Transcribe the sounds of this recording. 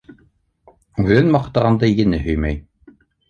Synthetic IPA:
ʉðɘnmɑqt̪ɑʁɑnd̪ɑjɘ̆nɘɦɵ̆jmæj

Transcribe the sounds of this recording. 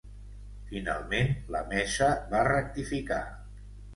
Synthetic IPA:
fina̰lˠmenlə̰mɛʃəβarək̚t̪ifika̰

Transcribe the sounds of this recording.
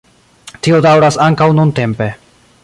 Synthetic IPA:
tio̞dawɾasaŋkawnunte̞mpe̞

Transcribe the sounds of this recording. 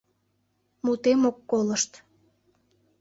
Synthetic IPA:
mut̪emokːoləʃt̪

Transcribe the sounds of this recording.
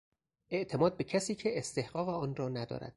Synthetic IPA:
e̞ʔt̪ʰemɒːd̪̚becʰæsiːcʰe̞ːst̪e̞hɢɒːɣeɒːnrɒːnæd̪ɒ̰ːɾæ̰d̪̥

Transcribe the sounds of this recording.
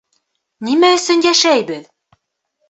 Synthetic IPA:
nimæɵ̆sɵnjæʃæjbɘð

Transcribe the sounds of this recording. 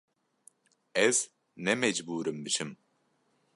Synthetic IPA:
ɛz̥ | nɛmɛd͡ʒbuːɾɯmbiʃim

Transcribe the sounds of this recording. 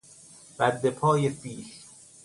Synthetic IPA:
b̥æd̪ːepʰɒːjesiːʃ

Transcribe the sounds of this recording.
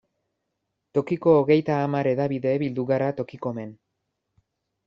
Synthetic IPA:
t̪o̞kiko̞ːɣe̞jt̪aːmaɾe̞ðaβiðe̞βild̪uɣaɾat̪o̞kiko̞me̞n

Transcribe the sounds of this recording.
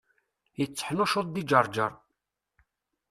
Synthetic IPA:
jət͡sːə̥ħnʊʃoðˤd̪id͡ʒəɾˤd͡ʒə̰ɾˤ

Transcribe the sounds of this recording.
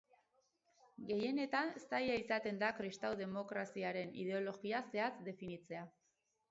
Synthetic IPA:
ɡe̞je̞ne̞t̪anest̪ajaisat̪e̞nd̪akɾist̪awðe̞mo̞kɾasiaɾe̞nḭð̞e̞o̞lo̞ɣiase̞at͡sd̪e̞finit͡se̞a

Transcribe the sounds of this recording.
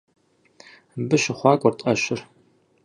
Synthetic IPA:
bɨɕɪχʷɑːkʷʼɔrtʼɐɕɪr

